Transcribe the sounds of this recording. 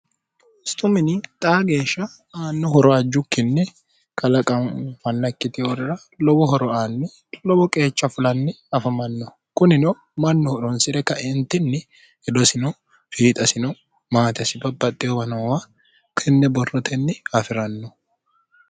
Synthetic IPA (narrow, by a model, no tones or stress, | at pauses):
ɪst̪ʼʊmɪnɪt̪ʼaːɡe̞ːʃːɐ | aːnːɔɦɔɾɔɐd͡ʒːʊkːɪnːɛ | kɐlɐkʼɐnfɐnːɐkːɪt̪ɪɔɾɪɾɐ | lɔbɔɦɔɾɔaːnːɛ | lɔbɔkʼe̞ːt͡ʃːɐfʊlɐnːɛɐfɐmɐnːɔ | kʊnɪnɔ | mɐnːɔhɔɾɔnsɪɾɛkːɐɪnt̪ːɪnːɪ | ɛd̪ɔsɪnɔ | fiːt̪ʼɐsɪnɔ | maːt̪ɛsɪbɐbɐt̪ʼːɪjɔbɐnɐwa | kʰɪnːɛbɔrːɔt̪ʰɛnːɪɐfɪɾɐnːɔ